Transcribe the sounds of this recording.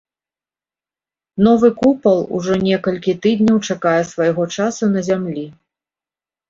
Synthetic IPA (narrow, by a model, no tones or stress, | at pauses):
n̪ɔvɨkupɐlˠṵʐɔnʲɛkɐlʲkʲit̪ɨd̪ʲnʲɐwt͡ʂakajɛssvajɣɔt͡ʂasunɐzʲamlʲi